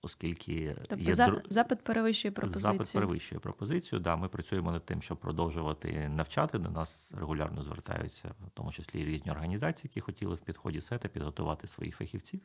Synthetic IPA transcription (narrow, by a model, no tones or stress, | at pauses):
ɔskʲilʲkʰɪt̪ɔjɛzɑpɪt̪̚peɾeʋɪʃʊjɛpɾɔzɑpɪt̪peɾeʋɪʃt͡ʃʊjɛpɾɔpɔzɪt͡sʲijʊd̪ɑmɪpɾɐt͡sʲujemɔnɐd̪̚t̪ɪmʃt͡ʃɔb̚pːɾɔd̪ɔwʒʊʋɐt̪ɪ̰nɐwt͡ʃɑt̪ɪd̪ɔnɑsreɦʊlʲɑ̰rnɔzʋḛrt̪ɑ̰jʊ̰t͡sʲːɐ̰wtt̪ɔ̰mʊt͡ʃɪsʲlʲḭɾʲizʲnʲiɔrɦɐnʲizɑt͡sʲiːjɐkʲixɔtʲilˠɪwpʲid̪̥xɔdʲisɛt̪ɐpʲid̪ɦɔt̪ʊʋɑt̪ɪsʋɔ̰jḭxfɐxʲiwt͡sʲiw